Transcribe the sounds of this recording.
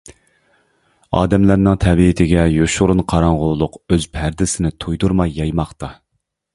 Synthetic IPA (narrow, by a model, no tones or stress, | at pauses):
ɑ̰ːd̪ɛmlæɾnɨŋt̪ʰɛbit̪ʰɪɡʲɛjoʃʊɾunqʰɑɾɑŋʁʊlˠlˠʊqøzpʰæɾd̪ɪsɪnɪt̪ʰujd̪uɾmɑjːɑjmɑχt̪ɑ